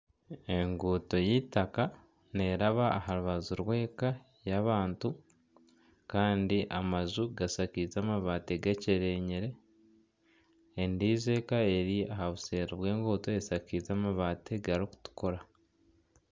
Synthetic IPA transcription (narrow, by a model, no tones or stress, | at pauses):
e̞ŋɡuːto̞jitaka | ne̞ɾaβaːhaɾuβazuɾwe̞ːka | jaβaːntu | kaːndiʔamazuɡasakizaːmaβaːteɡaceɾeɲeɾe̞ | ndiːze̞ːkae̞ɾiaɦaβuse̞ːɾoβwe̞ːŋɡuːto̞esakizamaβaːtʰeɡaɾiku̥tu̥ko̞ɾa